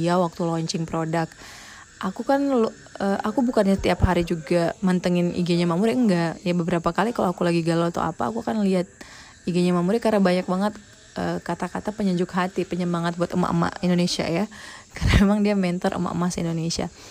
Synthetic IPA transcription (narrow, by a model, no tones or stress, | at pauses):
awak̚t̪ulɔɲt͡ʃɪŋpɾodak̚ | ʔakukanlo | əʔakubukanɲasət̪iapɦaɾid͡ʒuɡamant̪əŋɪnḭɡeɲamamuɾiəŋɡajabəbəɾapakalikaloakulaɡiɡalot̪o̰a̰pa̰a̰kuakanliat̪̚ | iɡeɲamamuɾikaɾnabaɲak̚baŋət̪̚ | ʔəkat̪akat̪apəɲəɲd͡ʒʊkɦat̪ipəɲəmaŋat̪̚buat̪əma̰ʔə̰ma̰indonesia̰jakarnamemaŋdiamɛnt̪ɔɾʔə̰ma̰ʔə̰masḭndonesia̰